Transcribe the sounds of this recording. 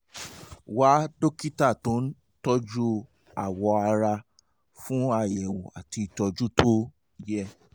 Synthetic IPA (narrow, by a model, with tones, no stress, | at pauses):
wa˨˦do˦ki˦ta˦˨tõ˨˦n̩˦ | tɔ˦d͡ʒu˦ | a˨wɔ˧a˧ɾa˧ | fũ˦a˦˧˨jɛ˨wo˨a̰˨ti˧i˨tɔ˧d͡ʒu˦to˦ | jɛ˧